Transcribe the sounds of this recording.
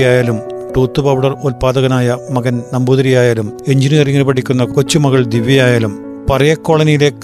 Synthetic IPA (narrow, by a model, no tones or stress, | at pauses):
jaːjaːlum | ʈuːt̪ːɨpɐʋwɽɐrolpaːd̪ɐɣɐnaːjɐmɐɣɐnnɐmbuːðɐɾijaːjaːlume̞ɲd͡ʑinijɐriŋːɐlpɐʈʰikʲːunːɐkot͡ɕːumɐɣɐɭd̪iʋjɐjaːjaːlum | pɐrɐjɐkːo̞ːɭɐnijile̞kː